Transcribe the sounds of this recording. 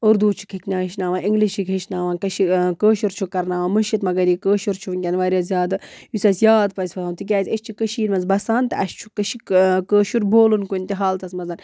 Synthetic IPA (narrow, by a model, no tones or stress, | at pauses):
uɾd̪uːt͡ʃʰu̥kʰiknʲaːɦiʃnaːʋãːnʔiŋɡliʃikɦiʃnaːʋaːnkɐʃikəːʃuɾt͡ʃʰukɐɾnaːʋaːmɨʃit̪mɐɡɐɾikəːʃuɾt͡ʃʰuʋnʲkʲɐnʋaːɾʲjaːzʲjaːd̪ɨjusɐsjaːd̪̚pɐzʲpʰɐaːmt̪ʰik̬ʲaːzʲəʃʲt͡ʃʰikəʃiːɾmɐnzbɐsaːnt̪ɐɐʃt͡ʃʰu̥kəʃikəːʃuɾboːlunkunt̪iɦaːlt̪ɐsmɐzɐn